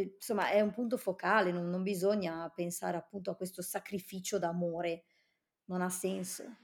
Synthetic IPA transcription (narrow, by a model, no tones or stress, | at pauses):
somːa̰ʔɛumpunt̪ofokaːlenonːombizoɲːapensa̰ːɾeapːunt̪oakwest̪osakɾifiːt͡ʃod̪amoːɾe | nonasːɛnso̰